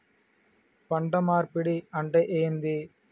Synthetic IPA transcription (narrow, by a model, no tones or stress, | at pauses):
pɐɳɖɐmaːɾpɪɽiɐɳɖɐʔeːnd̪i